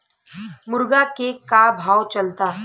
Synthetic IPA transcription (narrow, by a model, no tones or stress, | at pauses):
mʊɾɡakekabʱawt͡ʃəlt̪a